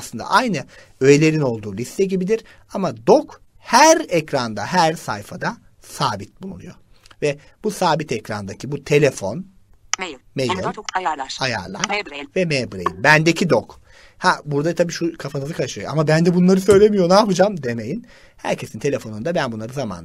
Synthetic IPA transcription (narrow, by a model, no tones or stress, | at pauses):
aslˠɯnd̪a̰ʔajnɯ | ø̞jelʲe̞ɾino̞lˠd̪uːlʲist̪ʰɛɟibid̪iɾ | amad̪o̞k | hæɾɛcɾand̪aɦæɾsajfad̪a | saːbit̪̚bulˠṵnṵjo̞̰ | vɛ | busaːbit̪ʰɛcɾa̰nd̪acʰibut̪ʰe̞lʲefo̞n | mejɯlaja̰ɾlˠa̰ɾvɛmebɾejinbænd̪ecʰid̪ok | habuɾd̪at̪ʰabiːʃukʰafanɯzɯkʰaʃɯjoa̰mabænd̪ɛbunlˠaɾɯsø̞jlʲe̞mijo̞naːpʰɯd͡ʒamd̪e̞mejin | hæ̰ɾcʰe̞sint̪ʰe̞lʲe̞fo̞nund̪abænbunˠaɾɯzama̰n